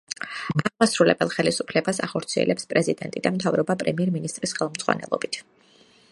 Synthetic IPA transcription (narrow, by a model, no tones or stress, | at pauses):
aʁmasɾulɛbɛlˠχɛlisupʰlɛbasa̰χɔɾt̪sʰiɛ̰lʔɛpspʼɾɛzid̪ɛ̰nt̪ʼid̪amt̪ʰavɾɔbapʼɾɛmiɛɾminist̪ʼɾisχɛlˠmd̪z̥ʼʁwa̰nɛ̰lˠɔbit̪ʰ